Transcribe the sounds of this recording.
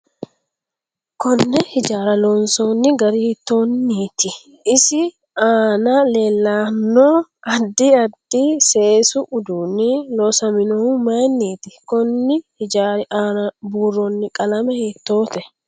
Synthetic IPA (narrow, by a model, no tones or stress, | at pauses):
kɔnːɛhɪd͡ʒaːɾɐloːnsoːnːɪɡɐɾihɪt̪ːo̞ːnːiːt̪ɪ | ɪsɪ | aːnale̞ːlːaːnːoːɐd̪ːiːɐd̪ːiːse̞ːsʊʔʊd̪uːnːɪloːsɐmɪnɔumɐjnːiːt̪ɪkɔnːɪhɪd͡ʒaːɾaːnɐbuːrːoːnːɪkʼɐlɐmɛhet̪ːo̞ːt̪ɛ